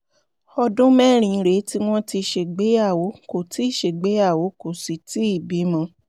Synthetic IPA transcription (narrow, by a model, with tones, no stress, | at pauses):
ɔ˧dũ˦mɛ˦˨ɾ̃ĩ˨˧ɾe˨˦ti˦w̃ɔ̃˦ti˧˨ʃe˨ɡ͡be˨˦ja˦˨wo˨˦ko˦˨ti˨˦˨ʃe˨ɡ͡be˨˦ja˦˨wo˨˦ko˨si˨ti˨˦i˦˨bi˨˦mã˧